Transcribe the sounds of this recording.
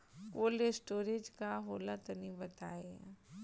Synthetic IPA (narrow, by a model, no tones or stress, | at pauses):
koːlesʈoːɾed͡ʒkaɦoːlat̪ənibɐt̪aːe